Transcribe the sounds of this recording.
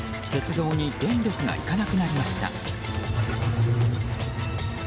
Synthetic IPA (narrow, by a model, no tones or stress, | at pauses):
t̪e̞t͡sɨd̪o̞ːɲ̟id̪ẽ̞nɾʲo̞kɯ̟ɡa̰ʔḭkanakɯ̟naɾʲimaɕi̥t̪a̰